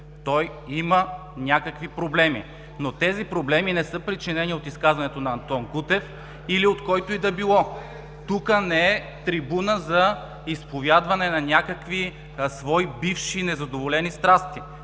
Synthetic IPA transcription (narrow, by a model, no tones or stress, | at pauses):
t̪ɔj | imə | nʲakəkvipɾoblɛmḭ | not̪ɛzipɾoblɛminɛsɤpɾit͡ʃinɛniot̪iskazvɐnɛt̪onɐːnt̪ɔnɡut̪ɛf | iliot̪kɔjt̪oid̪ɐbilˠɔ | t̪ukənɛɛ | t̪ɾibunəzɐ | ispovjad̪vɐnɛnɐnʲakəkvi | svɔibifʃinɛzɐd̪ovolɛnist̪ɾast̪i